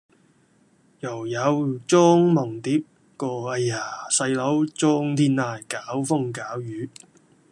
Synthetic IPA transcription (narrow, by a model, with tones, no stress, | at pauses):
jɐ˨˩wjɐ˨˧wt͡sɔː˥ŋmɐ˨˩ŋt̪iː˨˥p̚ | kɔː˧ɐ˧jaː˨˩sɐ˧jlɐ˨˥wt͡sɔː˥ŋt̪ʰiː˥naː˧jkaː˨˥wfʊ˥ŋkaː˨˥wjyː˨˥